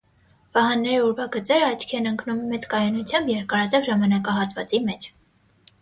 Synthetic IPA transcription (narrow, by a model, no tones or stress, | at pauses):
vɑɦɑnːɛɾiɔɾvɑɡət͡sɛɾəɑt͡ʃʰkʰɛnəŋknumːɛt͡skɑjɑnut͡sʰjɑmbjɛɾkɑɾɑt̪ɛvʒɑmɑnɑkɑɦɑt̪vɑ̰t͡simɛt͡ʃʰ